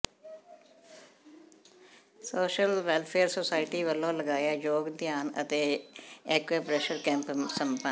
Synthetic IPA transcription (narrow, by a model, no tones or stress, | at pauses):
soːʃəlʋɛːlpʰeːɾsoːsaːɪʈiːʋəlːõːləɡaːjaːjoːɡd̪jaːnə̰t̪eːɛːkʋeːpɾɛːʃəɾkɛ̃ːmpsəmpə